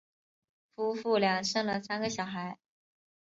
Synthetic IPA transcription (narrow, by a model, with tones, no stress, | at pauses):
fu˥fu˥˩ljɑ˨˩ŋʂɤ˥˩ŋlə˨sa˥nɡə˨ɕjɑ˨˩ʊxa˧˥ɪ